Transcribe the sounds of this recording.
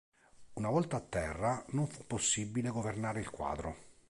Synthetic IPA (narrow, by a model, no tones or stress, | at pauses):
unavɔlt̪aːt̪ːɛrːanoɱfu̥pːosːibːileɡovernaːɾeilkwa̰ːd̪ɾo